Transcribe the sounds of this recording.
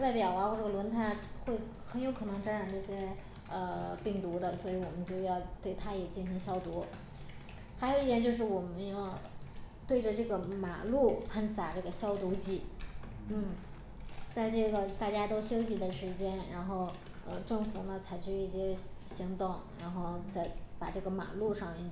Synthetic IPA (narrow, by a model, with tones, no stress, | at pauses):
t͡sa˥˩pjɑ˨˩ʊa˧˥xwɔ˥˩ʈ͡ʂɤ˥˩ə˧lwə˧˥nt̪ʰa˥˩xwe˥˩ɪ | xə˧˥njo˧˥ʊkʰɤ˨˩nɤ˧˥ŋʈ͡ʂa˥nɻa˧˥nʈ͡ʂɤ˥˩ɕjɛ˥ | ə˧pi˥˩ŋt̪u˧˥d̪ə˧swɔ˧˥i˧˥wɔ˨˩mə˦nt͡ɕjo˥˧ʊjɑ˥˧ʊt̪we˥˩ɪt̪ʰa˥jɛ˨˩t͡ɕi˥˩nɕi˧˥ŋɕjɑ˥ʊt̪u˧˥ | xɪo˨ʊ˧i˥˩t̪jɛ˧˥nt͡ɕjo˥˧ʊʂ̬ɻ̩˥˩wɔ˨˩mə˦njɑ˥˧ʊt̪we˥˩ɪʈ͡ʂə˩ʈ͡ʂɤ˥˩ɡə˩ma̰˨˩lu˥˩pʰa˥˩nsa˨˩ʈ͡ʂɤ˥˩ɡə˩ɕjɑ˥ʊt̪u˧˥t͡ɕi˥˩ | n̩˥˩ | t͡sa˥˧ɪʈ͡ʂɤ˥˩ɡə˩t̪a˥˩t͡ɕja˥t̪o˥ʊɕjo˥ʊɕi˨˩d̪ə˧ʂɻ̩˧˥t͡ɕjɛ˥nɻa˧˥nxo˥˩ʊ | ə˧ʈ͡ʂɤ˥˩ŋfu˨˩nə˧t͡sʰa˧˥ɪt͡ɕʰy˥˧i˥˩ɕjɛ˥ɕi˧˥ŋt̪ʊ˥˩ŋɻa˧˥nxo˥˧ʊt͡sa˥˩ɪpa˨˩ʈ͡ʂɤ˥˩ɡə˩ma̰˨˩lu˥˧ʂɑ˥˧ŋi˧˩